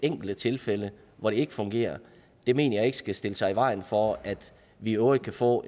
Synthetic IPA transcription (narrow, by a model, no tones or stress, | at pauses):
eŋ̰ɡ̥l̩d̥ət͡sʰe̝lfelə | ʋɒɾ̥e̝e̝ɡ̥əfɔ̽ŋɡ̥e̝̰ːɐ | d̥e̝me̝̰ːnɐjɑ̈ɪe̝ɡ̥ə̥sɡ̥æsd̥e̝ləsɑ̈ɪiʋɑ̈ɪ̰n̩fɒæd̥ | ʋiøʊid̥̚kʰæfɔ̰̽ː